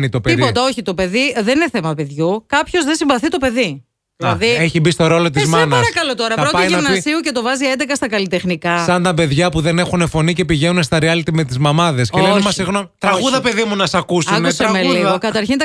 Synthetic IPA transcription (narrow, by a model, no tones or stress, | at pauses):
nit̪o̞peipo̞t̪ɐo̞çit̪o̞pe̞ðiðenineθemɐpe̞ðʝukɐpço̞zðesimvɐθit̪o̞pe̞ði | lɐðieçibist̪oɾo̞lo̞t̪izmɐnɐsɾɐkɐlo̞t̪o̞ɾɐpɐɾotɐiʝinɐvnɐsiuce̞t̪o̞vɐziend̪ekɐst̪ɐkɐlit̪e̞xnikɐsɐnt̪ɐbe̞ðʝɐpuðe̞ne̞xune̞fo̞nice̞piʝenunest̪ɐɾiɐlit̪ime̞t̪izmɐmɐðe̞sceenmɐsiɣnomit̪ɾɐɣɣuðɐpe̞ðimunɐsɐkusɐnusɐmeliɣokɐt̪ɐɾçint̪ɐ